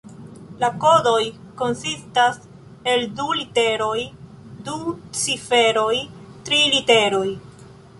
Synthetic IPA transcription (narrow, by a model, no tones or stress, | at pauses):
lako̞do̞j | ko̞nsistas | e̞ldulite̞ɾo̞j | dut͡sife̞ɾo̞jtɾiliteɾo̞j